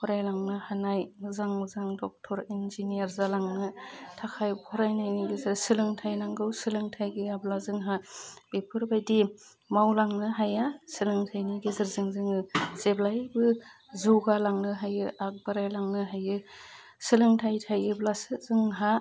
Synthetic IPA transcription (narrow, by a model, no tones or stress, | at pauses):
pʰɔɾajlaŋnɯhanajzaŋzaŋdɔk̚tʰɔɾinziniaɾzalaŋnɯtʰakʰajpʰɔɾajnajniɡizɯɾsɯlɯŋtʰajnaŋɡɯwsɯlɯŋtʰajɡɯablazɯŋɦab̥epʰɯɾbajdi | mawlaŋnɯɦajasɯlɯŋtʰajniɡezɯɾzɯŋzɯŋɯz̥eblajbɯ | zuɡalaŋnɯɦajɯʔak̚baɾajlaŋnɯɦajɯ | sɯlɯŋtʰajtʰajɯblasɯzɯŋɦa